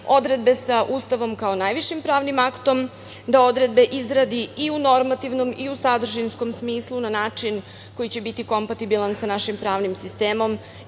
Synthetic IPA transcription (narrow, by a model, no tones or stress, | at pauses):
o̞d̪ɾe̞d̪̚be̞saʔuːst̪aʋo̞mkaonajʋiʃimpɾaːʋnimakt̪o̞m | d̪ao̞d̪ɾe̞d̪̚be̞ʔizɾad̪iiuno̞ɾmat̪iʋno̞miusad̪r̩ʒinsko̞msmiːslˠunanaːt͡ʃin | ko̞jit͡ɕe̞bit̪iko̞mpat̪ibilˠansanaʃimpɾaːʋnimsist̪e̞ːmo̞m